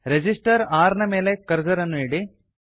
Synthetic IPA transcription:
ɾed͡ʒisʈɐɾaːɾnɐme̞ːle̞kɐɾd͡ʒɐɾɐnːuiːɽi

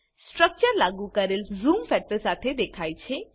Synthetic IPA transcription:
sʈɾək̚t͡ʃəɾlaɡukɐɾelzuːmfɛk̚ʈəɾsaʈ̪ʰed̪ekʰaːjt͡ʃʰe

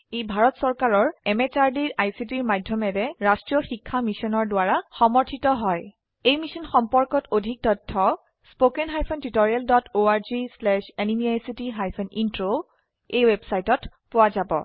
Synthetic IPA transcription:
ejbʱaɹɔtsɔɹkaɹɔɹɛmɛt͡ʃaɹdiɹʔajsit̬iɹmadʱjɔmɛdɛɹastɹijɔxikʰːamisɔnɔɹdʊaɹaxɔmɔɹtʰitɔɦɔj | ejmisɔnxɔmpɔɹkɔtodʱik̚tɔtʰːɔ | spokɛnɦajpʰɔntitɔɹialdɔtʰoaɹzislɛʃenimiajsitiɦajpʰɔnintɹo | ejwebsajtɔt | pʊwazabɔ̰

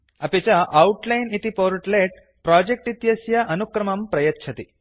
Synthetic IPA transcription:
ɐpet͡ʃaʔɐuʈlɐjnit̪ipoːɾʈleʈ̚ | pɾaːd͡ʒek̚ʈit̪jɐsjɐʔɐnukɾɐmɐmpɾɐjɐtːʃʰɐt̪i

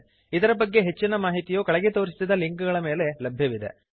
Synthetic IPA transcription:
id̪ɐɾɐbɐɡːe̞ɦe̞t͡ʃːinɐmaːɦit̪ijoːkɐɭɛɡet̪o̞ːɾisisid̪ːɐliŋkuɡɐɭɐme̞ːle̞lɐbʱjɐʋid̪e̞̰

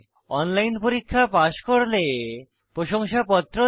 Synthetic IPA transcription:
ɔnlajnpoɾikʰːapaʃkoɾle | pɾoʃoŋʃapɔt̪ːɾo

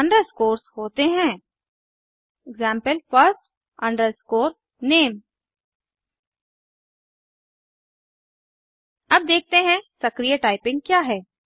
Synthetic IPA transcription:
ɐɳɖəɾskoːɾshoːt̪eɦɛ̃ː | ɪɡzɛ̃ːmpəlfəɾsʈ | ɐ̃ɳɖəɾskoːɾ | neːm | ɐb̚d̪eːk̚ʰt̪eɦɛ̃sɐkɾijəʈaːɪpɪ̃ŋɡ̚kjaːɦɛː

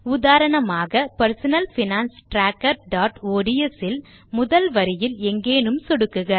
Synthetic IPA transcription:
ʊðaːɾɐɳɐmaːɣɐpɐɾsɐnɐlfɪnaːnsʈɾaːkːɐɾɖaːʈoːɽijɛsɪl | mʊðɐlʋɐɾɪjɪlɛŋɡeːnɯmsɔɽɯkːɯɣɐ

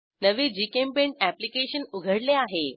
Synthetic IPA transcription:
nəʋid͡ʑikempeɳʈæplikeɕənuɡʱəɽleaɦe

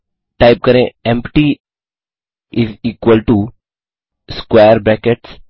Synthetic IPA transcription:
ʈaɪp̚kɐɾẽɛ̃mpʈi | ɪziːkwəlʈu | skweːəɾbɾɛkeʈs

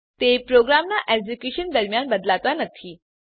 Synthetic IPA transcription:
t̪epɾoɡɾamnaʔed͡ʑukjuɕənd̪əɾmjanbəd̪lat̪anət̪ʰiː

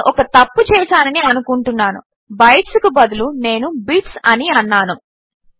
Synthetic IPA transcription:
ʔɔkɐt̪ɐpːut͡ʃɛːʃaːnɐniɐnukuɳʈunːaːnṵ | bɐjʈskubɐd̪ulune̞ːnubiːʈsɐniɐnːaːnu

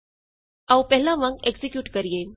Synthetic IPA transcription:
awpɛɦlãʋãŋɡeɡzikjuːʈkəɾije

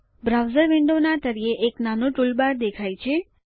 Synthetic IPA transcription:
bɾawzəɾʋɪɳɖonat̪əɾieʔeknanũʈulbaɾd̪ekʰajt͡ʃʰe

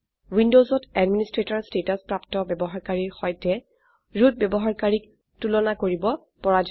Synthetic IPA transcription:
windozɔtɛdministɹetɔɹstetɔspɹaptɔbɛbɔɦaɹkaɹiɹxɔjtɛ | ɹut̚bɛbɔɦaɹkaɹik̚ | tulɔnakoɹibɔ | pɔɹad͡ʒ

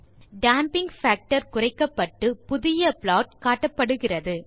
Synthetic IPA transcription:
ɖaːmpɪŋɡfaːk̚ʈɐɾ̚kʊrɐɪkːɐpːɐʈːɯpʊðɪjɐplaːʈ̚kaːʈːɐpːɐɽɯɣɪrɐðɯ

